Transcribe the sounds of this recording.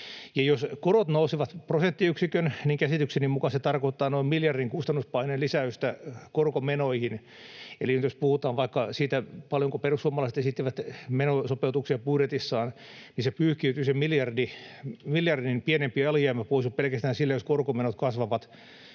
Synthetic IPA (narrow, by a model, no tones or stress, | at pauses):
jɑjoskoɾot̪nousiʋɑt̪prosent̪ːiyksikønniŋkæsit̪yksenimmukɑset̪ɑrkoit̪ːɑːnoimmiljɑrdiŋkust̪ɑnːuspɑinenlisæyst̪ækorkomenoihin | elinyt̪jospuhut̪ɑːʋʋɑikːɑsiːt̪æpɑljoŋkoperusːuomːɑlɑiset̪esit̪ːiʋæt̪menosopeut̪uksiɑpuiɾet̪isːɑːnnisepyːhkiyt̪ysemmiljɑrdimiljɑrdinpienempiɑljɑːmːæpoisuppelkæst̪æːnsilːejoskorkomenot̪kɑsʋɑʋɑt̪